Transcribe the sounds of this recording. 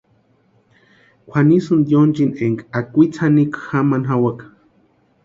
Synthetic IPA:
kʷʰanisɨnd̪jont͡ʃineŋkakʷit͡sʰanikxamanɦawak

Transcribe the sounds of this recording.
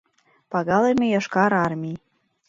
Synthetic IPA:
pɑɣɑlemejɑʃkɑɾɑrmʲij

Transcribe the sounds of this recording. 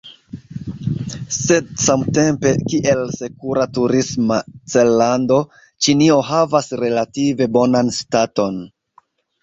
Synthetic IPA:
se̞d̚samte̞mpe̞kiʔe̞lse̞kuɾatuɾismat͡selːando̞ | t͡ʃinio̞ɦavasɾe̞lative̞bo̞nanstato̞n

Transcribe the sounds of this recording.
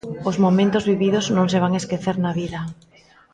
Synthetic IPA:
ozmomẽnt̪ozβiβiðoznõŋs̬eβ̞aŋeskeθeɾnaβiðɐ

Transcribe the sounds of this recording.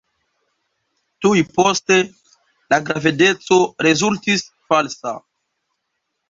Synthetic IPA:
tujpo̞ste̞ | laɡɾavide̞t͡so̞ɾe̞zultis | falsa̰

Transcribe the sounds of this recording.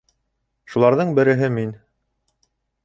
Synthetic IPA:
ʃulˠɑɾðɤɴbɘ̆ɾɘ̆ɦɘmin

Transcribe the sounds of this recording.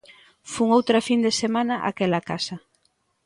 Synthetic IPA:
fuŋowt̪ɾɐfind̪esemanɐʔa̰kɛlakasɐ

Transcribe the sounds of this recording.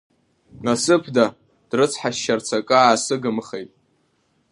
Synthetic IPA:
nasɨpʰda | d̥rɨt͡sʰħaʃːart͡sʰakʼɨaːsɨɡɨmχejtʼ

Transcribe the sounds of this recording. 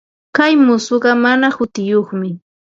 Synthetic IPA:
kajmʊsoɢɑmanahʊt̪ɪjoχmɪ

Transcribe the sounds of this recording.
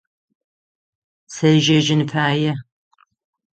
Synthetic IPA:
sɐʒɐʒɪnɨpʰaːjɛ

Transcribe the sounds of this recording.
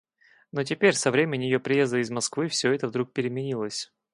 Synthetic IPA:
no̞t̬ʲɪpʲeɾʲsɐvɾʲemʲɪnʲjɪjopɾʲɪjezd̪əɪzmɐskvɨfsʲɵɛt̪əvd̪ɾuk̚pʲɪɾʲɪmʲɪnʲilˠəsʲ

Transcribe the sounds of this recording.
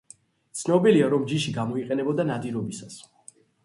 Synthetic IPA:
t̪sʰnɔbiliaɾɔmd͡ʒiʃiɡamɔiqʼɛnɛbɔd̪anad̪iɾɔbisas

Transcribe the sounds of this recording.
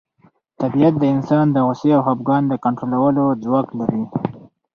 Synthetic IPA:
t̪abijat̪̚d̪əɪnsɑnd̪əɣʊseawɦabɡɑnd̪əkaɳʈɾolawəlod͡zwɑɡlaɾi

